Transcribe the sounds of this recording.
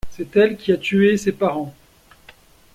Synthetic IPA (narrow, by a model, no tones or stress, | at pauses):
sɛt̪ɛlkʲiat̪yesepaʁɑ̃